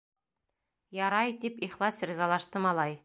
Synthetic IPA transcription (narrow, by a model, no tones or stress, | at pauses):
jɑɾɑjt̪ipiχlˠɑsɾizɑlˠɑʃt̪ɤmɑlˠɑj